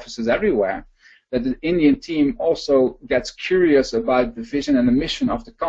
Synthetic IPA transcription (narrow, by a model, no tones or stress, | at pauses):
fəsɨzɛvɹiwɛ̰ɹ | ðɨt̪̚ðiɪ̃ndiɨ̃ntʰĩmɔlˠsoʊɡɛtskʰj̥ʊɹiɨsəbaʊt̪̚ðɨvɪʒɨ̃nɨ̃nðɨmɪʃɨ̃nʌvðəkʰʌ̃